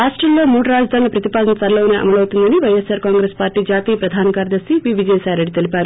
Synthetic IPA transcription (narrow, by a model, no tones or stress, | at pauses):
ɾaːsʈɾɐmlo̞ːmuːɽuɾaːd͡ʒɐd̪ʱaːnilɐpɾɐt̪ipaːd̪ʱɐnɐt̪ɐɾloːneːʔɐ̰mɐlɐwt̪und̪ɐniʋɐjesaːɾkaːŋɡɾeːspaːɾʈːiːd͡ʒaːt̪iːɐpɾɐd̪ʱaːnɐkaːɾɐd̪ɐst̪iʋiʋid͡ʒɛjsaːɾeɖːit̪e̞lipaːɾu